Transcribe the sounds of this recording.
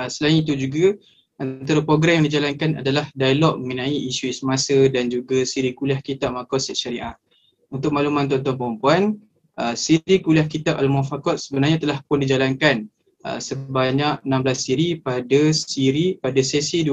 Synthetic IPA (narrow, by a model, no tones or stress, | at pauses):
əsəlainit̪̬ud͡ʒuɡa | at̪aɾapɾoɡɾɛmjãŋdid͡ʒalankana̰dalahdajalɔk̚məŋənãiʔisuisəmasədand͡ʒuɡasiɾikuliahkit̪aʔmakɔt̪̚sɛʔʃaɾiʔa̰ʔ | unt̪ʊk̚malumãnt̪ɔnt̪ɔnpəɾumpuan | əsiɾikuliahkit̪aʔalmɔfakɔt̪̚səbənarɲat̪əlahpʊndid͡ʒalankan | ə̰səbaɲakənãmblasːiɾipadasiɾipadasɛsidu